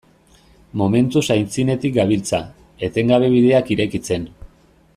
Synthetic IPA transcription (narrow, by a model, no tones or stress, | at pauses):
mo̞me̞nt̪usajnt͡sine̞t̪ik̚ɡaβilt͡sa | e̞t̪e̞ŋɡaβe̞β̞iðe̞akiɾe̞kit͡se̞n